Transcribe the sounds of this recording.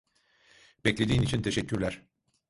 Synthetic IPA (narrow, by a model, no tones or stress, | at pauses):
bɛclʲe̞d̪iːnit͡ʃʰint̪ʰe̞ʃɛcʰːyɾlʲæɾ̥